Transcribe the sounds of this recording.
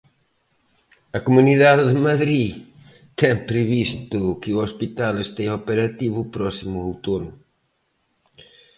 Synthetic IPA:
ɐkomuniðaðɪðɪmaðɾi | t̪ɛ̃pɾɪβist̪ʊkɪuospit̪alest̪ɛ̃jopeɾat̪iβʊpɾɔsimʊowt̪onʊ

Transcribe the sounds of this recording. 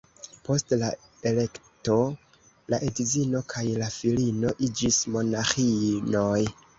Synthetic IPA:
po̞stla | e̞le̞kto̞ | laʔedizino̞kʰajlafilino̞ʔid͡ʒismo̞naxinoj

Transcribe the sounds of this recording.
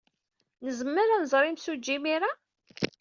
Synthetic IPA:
nəzəmːəɾanzˤɾˤimsud͡ʒːimiɾa

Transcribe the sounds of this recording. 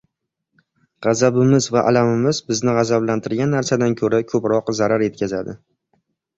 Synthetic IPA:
ʁɑzabɪmɪzvaʔa̰lamɪmɪzbɪznɪʁɑzablant̪ʰɪɾɡʲanːaɾsad̪ankʰɵɾakʰɵpɾɒqzaɾaɾje̞t̪̚kʲʰazad̪ɪ

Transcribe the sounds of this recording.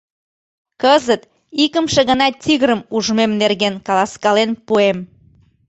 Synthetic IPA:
kəzət̪ | ikəmʃĕɣənɑt̪ʲːiɣəɾəmuʒmemnerɣenkɑlɑskɑlenpuem

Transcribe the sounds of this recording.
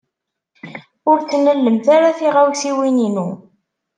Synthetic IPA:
ʊɾθnəlːəmθaɾaθiʁawsiwininu

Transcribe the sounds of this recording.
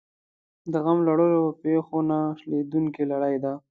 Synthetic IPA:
d̪əɣamlaɽojopexonaʂled̪uŋkelaɽajd̪a

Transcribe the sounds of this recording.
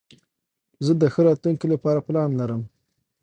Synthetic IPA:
zəd̪əxəɾɑt̪luŋkelapɑɾaplɑnlaɾəm

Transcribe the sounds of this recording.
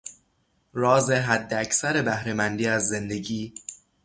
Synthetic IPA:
ɾɒːzeɦæd̪ːeæcʰsæɾe̞bæhɾe̞mænd̪iːæzːe̞nd̪e̞ɟiː

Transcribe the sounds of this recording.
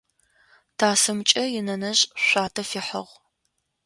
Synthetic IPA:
tʰaːsɨmt͡ʃʼɐjɪnɐnɐɕʼɕʷaːtʰɐfiːħɐʁ

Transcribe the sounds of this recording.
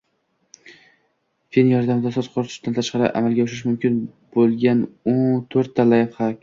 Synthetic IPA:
fenjɒɾd̪amɪd̪asɒzqʰʊɾt̪ʰʊ̥ʃd̪ant̪ʰaʃqɑɾɪ̰ʔa̰malɡʲaʊʃɪʃ̬mʊmkʲɪn | b̥olˠɡʲanot̪ʰoɾt̪ʰːalajphakʲ

